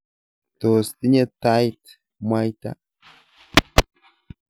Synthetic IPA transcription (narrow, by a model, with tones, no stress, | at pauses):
t̪oː˨st̪ɪ˦ɲɛ˦t̪ːa˦jt̪ | ma˦jt̪a̰